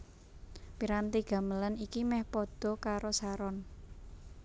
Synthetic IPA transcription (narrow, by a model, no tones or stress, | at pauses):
piɾant̪iɡ̥a̤mələnikimɛhpɔd̪̥ɔ̤kaɾosaɾɔn